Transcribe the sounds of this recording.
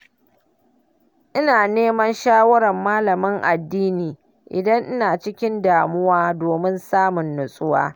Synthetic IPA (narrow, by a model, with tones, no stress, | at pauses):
ʔɪ˦naː˨neː˦mɐ˦nʃaː˦wɐ˦ɾɐ˨mːaː˦lɐ˨mɪ˦ŋʔa˨dːiː˦niː˨ | ʔɪ̰˨dɐ˦ŋʔɪ˦naː˨t͡ʃɪ˦kʲɪ˦ndaː˨mʊ˦waː˦doː˨mɪ˦nsaː˦mʊ˨nːʊ˨sʼʊ˦wa̰ː˦